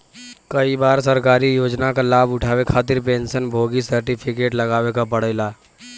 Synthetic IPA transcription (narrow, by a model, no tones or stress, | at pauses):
kɐibaːɾsəɾkaːɾijoːd͡ʒnakalaːbʊʈʰaːwekʰaːt̪̬ɪɾpẽːnʃənbʱoːɡisəɾʈɪpʰɪkeːʈlɐɡaːwekapɐɽ̤əɪlaː